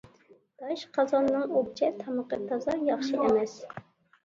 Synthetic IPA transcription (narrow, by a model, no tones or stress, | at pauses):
d̪̥ɑʃqʰɑzɑnːɨŋop̚t͡ʃʰɛt̪ʰɑməqət̪ʰɑzɑɾjɑχʃiʔɛmɛs